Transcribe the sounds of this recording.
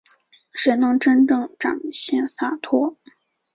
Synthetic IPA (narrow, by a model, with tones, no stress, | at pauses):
ʂe˧˥ɪnɤ˧˥ŋʈ͡ʂə˥nʈ͡ʂɤ˥˩ŋʈ͡ʂa̰˨˩ŋɕjɛ˥˩nsa˥˩t̪ʰwɔ˥